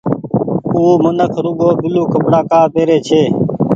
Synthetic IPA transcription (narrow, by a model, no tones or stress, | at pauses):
uːmənəkʰɾʊɠoːbɪluːkəpɽaːkaːpeːɾeːt͡ʃʰeː